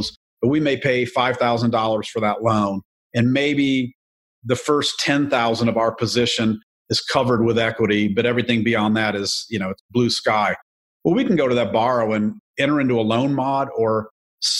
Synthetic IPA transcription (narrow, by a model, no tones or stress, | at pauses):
z̥ | b̥ʌt̚wimeɪpʰeɪfaɪv̥θaʊzə̃n̩dɔlˠə˞z̥fə˞ðəʔˡlõʊ̃n | ɨ̃nmeɪbi | ðɨfɜ˞stʰɛ̃nθaʊzə̃ndʌvaʊə˞pʰɨzɪʃɨ̃n | ɨz̥kʰʌvə˞d̚wəðɛkwəɾibʌɾɛvɹiθɪ̃ŋbiɑ̃nðɨɾɪz̥jɨñoʊɨtsb̥lʉskaɪ | wɛlˠwikn̩ɡoʊɾɨðɨt̚b̥ɑɹoʊɨ̃nɛ̃ɾ̃ə˞ɪ̃ntuəlõʊ̃nmɑɾə˞ | s